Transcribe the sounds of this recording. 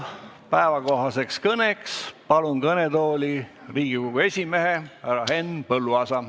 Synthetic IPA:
pæevɑko̞ɦɑse̞kskɤne̞kspɑlunkɤnet̪o̞ːlʲiriːɡ̥ipuɡue̞sʲimeɦehæɾɑɦe̞npɤlːuɑsɑ

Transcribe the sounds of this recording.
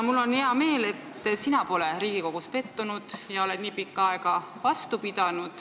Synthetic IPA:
mulːo̞nheɑme̞ːle̞t̪ːˑsinɑpo̞leɾiːɡ̥iko̞ɡ̥uspe̞t̪ːunud̪̥jɑo̞le̞d̪̥niːpikːɑɑeɡɑ | vɑst̪upid̪̥ɑnud̪̥

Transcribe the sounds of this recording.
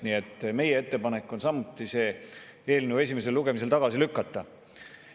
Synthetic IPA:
nie̞t̪ːˑme̞jee̞t̪ːe̞pɑne̞kːˑo̞nsɑmːut̪ːˑise̞ː | e̞ːlnuwe̞s̬ʲime̞s̬e̞luɡ̥e̞mis̬e̞lt̪ɑɡ̥ɑsilykːɑt̪ːˑɑ

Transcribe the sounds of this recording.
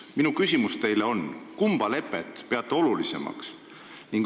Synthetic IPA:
minukysʲimust̪e̞jleo̞nkumb̥ɑle̞pːˑe̞t̪ːpe̞ɑt̪ːˑeo̞lulise̞̰mɑ̰ks | niŋɡ̥

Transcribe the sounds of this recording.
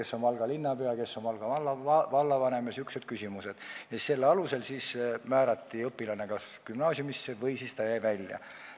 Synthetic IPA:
ke̞sːo̞npɑlɡ̥ɑlinːɑpeɑke̞sːo̞npɑlɡ̥ɑɑlːɑvɑlːɑvɑne̞mesyksed̪̥kysimuse̞d̪̥jɑse̞lːeɑluse̞lsismæːɾɑt̪ːiɤpːˑilɑne̞kɑskymnɑːsʲjumisːevɤ̞jsist̪ɑjæjvælʲjɑ̰

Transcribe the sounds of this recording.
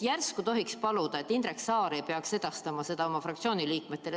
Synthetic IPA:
jærskut̪o̞ɦikspɑlud̪̥ɑet̪ːˑind̪̥ɾeksɑːɾejpeɑkse̞d̪̥ɑst̪ɑmɑse̞d̪ɑo̞mɑfrɑkt̪sio̞ːniliːkmet̪ːe̞le

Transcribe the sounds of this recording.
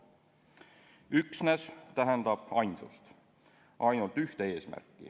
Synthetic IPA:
yksnest̪æɦend̪̥ɑb̥ɑjnsust̪ | ʔɑjnult̪yht̪ee̞ːsmæ̰rkˑːḭ

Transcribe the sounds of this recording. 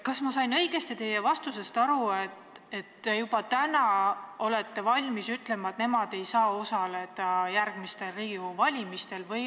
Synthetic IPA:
kɑsmɑsɑjnɤ̞ijɡ̥e̞st̪it̪e̞jːevɑst̪use̞st̪ɑɾuet̪ | e̞t̪ːejub̥ɑt̪ænɑo̞le̞t̪ːe̞vɑlʲmisyt̪ːle̞mɑet̪ne̞mɑd̪̥e̞jsɑːo̞sɑle̞d̪̥ɑjæɾɡ̥mist̪e̞lriːɡ̥iovɑlʲimist̪e̞lvɤj

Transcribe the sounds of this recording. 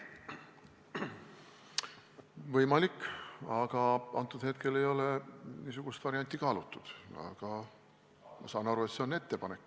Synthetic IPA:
vɤjmɑlikːɑɡ̥ɑɑ̰nt̪ːˑud̪he̞t̪ke̞le̞jo̞le̞niːsuɡ̥ust̪vɑɾiɑnʲt̪ʲːˑikɑːlut̪ːˑud̪̥ɑ̰ɡ̥ɑ | mɑ̰sɑːnɑɾue̞t̪se̞o̞nːe̞t̪ːe̞pɑne̞kː

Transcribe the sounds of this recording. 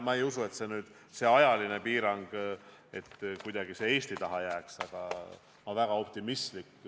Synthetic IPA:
mɑe̞jusue̞t̪se̞nyːd̪̥ | se̞ɑjɑlinepiːɾɑŋɡ̥e̞t̪ːkujd̪̥ɑɡ̥ise̞e̞ːst̪it̪ɑɦɑjæːksɑɡ̥ɑ̰ | mɑvæɡ̥ɑo̞pt̪imist̪likː

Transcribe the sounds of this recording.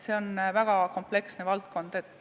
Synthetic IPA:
se̞onvæɡ̥ɑko̞mple̞ksne̞vɑlt̪̚ko̞nd̪̥e̞t̪ːˑ

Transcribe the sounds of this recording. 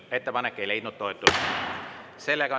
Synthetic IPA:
et̪ːepɑnekːeile̞jd̪nut̪t̪ːoet̪ːˑu | selːeɡɑo

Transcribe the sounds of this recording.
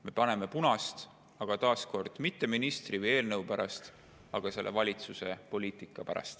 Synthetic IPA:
me̞pɑne̞me̞punɑst̪ | ɑɡ̥ɑt̪ɑːsko̞rd̪̥mit̪ːe̞minist̪rivɯje̞ːlnɤwpæɾɑst̪ | ɑɡ̥ɑse̞lːḛvɑlʲit̪suse̞̰po̞liːt̪ˑikːˑɑpæɾɑ̰st̪

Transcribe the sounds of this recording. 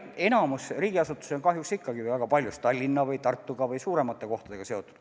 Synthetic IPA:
e̞nɑmusriːɡiɑsut̪ːˑu̥seonkɑɦjuksikːɑɡivɨjvæɡ̥ɑpɑlʲjust̪t̪ːɑlʲːinːɑvɯjt̪ɑrt̪ːuɡ̥ɑvɯjsuːɾe̞mɑt̪ːˑe̞ko̞ht̪ɑd̪e̞ɡ̥ɑse̞o̞t̪ːˑu̥d̪̥

